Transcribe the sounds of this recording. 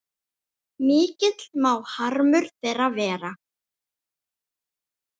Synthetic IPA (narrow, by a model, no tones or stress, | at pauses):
mɪːcɪt̪lmaːwhaɾmʏɾ̥θejravɛːɾa